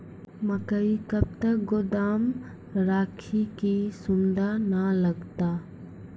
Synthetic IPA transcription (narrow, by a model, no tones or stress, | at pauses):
məkəikɐb̚t̪ɐk̚ɡod̪aːm | ɾaːkʰikisʊnd̪analɐɡt̪aː